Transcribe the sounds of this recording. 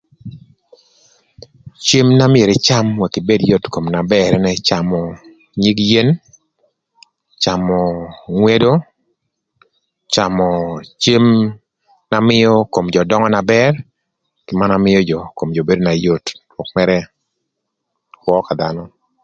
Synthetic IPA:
t͡ʃe˦mna˦mɪe˨ɾe˨t͡ʃa˦mwa˨kɪ˨be˦djo˦tko˨mna˨bɛ˦ɾɛnɛ˦t͡ʃa˨mɔ˨ | ɲi˦kje˦n | t͡ʃa˨mɔ˨ŋwe˦do˦ | t͡ʃa˨mɔ˨t͡ʃe˦m | na˦mɪ˦jɔ˦ko˨md͡ʒɔ˨dɔ˦ŋɔ˦na˨bɛ˦r | kɪ˨ma˦namɪ˦jɔ˦d͡ʒɔ˨ko˨md͡ʒo˨be˦do˦na˨jo˦twɔ˨kmɛ˦ɾɛ˦ | kwɔ˦ka˨d̪anɔ˦

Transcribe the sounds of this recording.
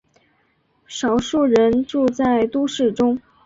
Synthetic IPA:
ʂɑ˨˩ʊʂu˥˩ɻə˧˥nʈ͡ʂu˥˧t͡sa˥˩ɪt̪u˥ʂɻ̩˥˩ʈ͡ʂʊ˥ŋ

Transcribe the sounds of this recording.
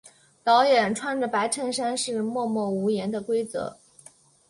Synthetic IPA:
t̪ɑ˧˥ʊjɛ˨˩nʈ͡ʂʰwa˥˩nʈ͡ʂə˩pa˧˥ɪʈ͡ʂʰə˥˩ŋʂa˥nʂɻ̩˥˧mwɔ˥˧mwɔ˥˩u˧˥jɛ˧˥nd̪ə˧kwe˥ɪt͡sɤ̰˧˥˦

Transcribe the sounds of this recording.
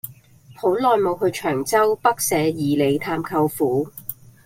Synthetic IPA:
ho˨˥wlɔː˨jmo˨˧wɦɵ˧ɥt͡ʃʰœː˨˩ŋt͡sɐ˥wpɐ˥k̚sɛː˨˥jiː˨˩le˨˧jt̪ʰaː˧mkʰɐ˧wfuː˨˥

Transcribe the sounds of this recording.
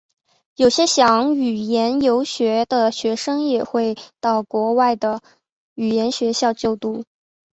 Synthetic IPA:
jo˨˩ʊɕjɛ˥ɕjɑ˧˥ŋy˨˩jɛ˧˥njo˧˥ʊɕɥɛ˧˥d̪ə˧ɕɥɛ˧˥ʂɤ˥ŋjɛ˨˩xwe˥˧ɪt̪ɑ˥˩ʊkwɔ˧˥wa˥˩ɪd̪ə˩ | y˨˩jɛ˧˥nɕɥɛ˧˥ɕjɑ˥˧ʊt͡ɕjo˥˧ʊt̪u˥˩

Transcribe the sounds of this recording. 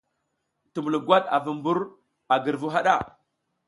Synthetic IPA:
tu˨mu˨lu˨ɡwa˦ɗa̰˨vu˨mbu˦ɾ | a˨ɡə˨ɾvu˦ɦa˦ɗa˦˨

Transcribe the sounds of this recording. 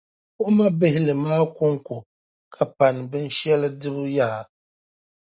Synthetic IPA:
kʊ˦ʔma˦bɪ˦hɪ˦lɨ˨maː˦kʊ˦ŋkʊ˨ | kʰa˨pa˨nɨ˨bɨ˦n˦ʃɛ˦lɨ˦dɨ˦bɨ˦jaː˦˨

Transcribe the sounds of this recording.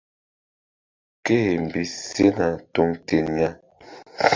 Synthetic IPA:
ke˦˨m̩˨bi˨se˦na˨to˦ŋte˨nja˦

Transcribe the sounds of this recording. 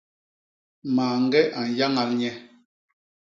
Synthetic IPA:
maː˨ŋ˦ɡɛ˦ʔa˨n˨ja˦ŋa˨lɲɛ˦

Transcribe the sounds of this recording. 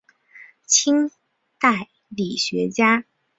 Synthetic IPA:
t͡ɕʰi˥ŋ | t̪a˥˩ɪ | li˨˩ɕɥɛ˧˥t͡ɕja˥

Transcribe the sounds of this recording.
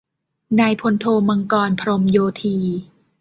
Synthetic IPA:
naː˧jpʰo˧nt̪ʰoː˧ma˧ŋkɔː˧npʰɾo˧mjoː˧t̪ʰiː˧

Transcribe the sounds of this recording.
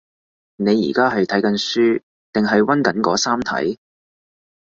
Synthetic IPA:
ne˨˧jːḭː˨˩kaː˥ɦɐ˨jt̪ʰɐ˨˥jkɐ˨˥nsyː˥ | t̪ɪ˨ŋɦɐ˨jwɐ˥nkɐ˨˥nkɔː˨˥saː˥mt̪ʰɐ̰˨˥j

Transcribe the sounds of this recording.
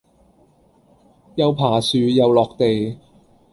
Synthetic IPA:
jɐ˨˧wpʰaː˨˩syː˨˧jɐ˨˧wlɔː˨k̚t̪e˨j

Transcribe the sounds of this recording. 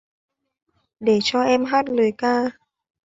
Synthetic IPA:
ɗe˧˩t͡ɕɔ˧ʔɛ˧mɦaː˦˥t̚lɨː˨˩jkaː˧

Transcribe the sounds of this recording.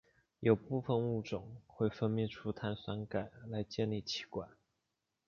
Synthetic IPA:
jo˨˩ʊpu˥˧fə˧nu˥˩ʈ͡ʂʊ˨˩˦ŋxwe˥˩ɪfə˥nmɛ˥˩nʈ͡ʂʰu˥t̪ʰa˥nswa˧˥nka˨˩ɪla˧˥ɪt͡ɕjɛ˥˧nli˥˩t͡ɕʰi̥˧˥kwa˨˩˦n

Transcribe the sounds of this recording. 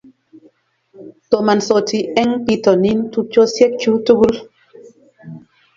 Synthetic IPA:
tɔ˨ma˨nsɔ˨ti˨ʔɛ˦ŋpi˦tɔ˨ni˦ntu˦k̚t͡ʃɔ˦sjɛ˦t̚t͡ʃu˦tu˦ɡu˦l

